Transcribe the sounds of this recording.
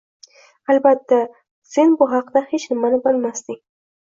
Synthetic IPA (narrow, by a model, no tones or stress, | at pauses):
albat̪ːa | z̥ɪnboɦaqd̪axet͡ʃnɪmanabalmast̪i